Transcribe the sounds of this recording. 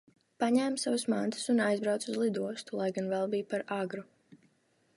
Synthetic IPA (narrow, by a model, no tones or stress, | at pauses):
paɲæːmsavusmant̪ʰɨ̥sunajzbɾawt̪suzlˠid̪uɔst̪ulˠajɡanvɛlˠbijpaɾaɡɾu